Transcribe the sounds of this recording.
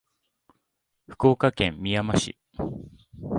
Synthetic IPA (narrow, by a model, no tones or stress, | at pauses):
ɸɯ̟̥ko̞ːkakẽ̞mːʲijamaɕḭ